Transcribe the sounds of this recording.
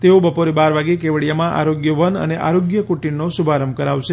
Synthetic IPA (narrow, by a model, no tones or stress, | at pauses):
t̪eobəpoɾebaɾʋaɡekeʋəɭijamãʔa̰ɾoɡjəʋənə̰neʔa̰ɾoɡjəkuʈinnosubʱaɾəmkəɾaʋʃe